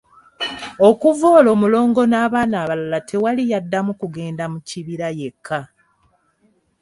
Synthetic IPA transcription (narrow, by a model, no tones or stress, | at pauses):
o̞kuvo̞ːlo̞ːmulo̞ːŋɡo̞naːβaːnaːβalalatʰe̞walijadːamukuɡe̞ːndamuciβiɾaje̞kʰːa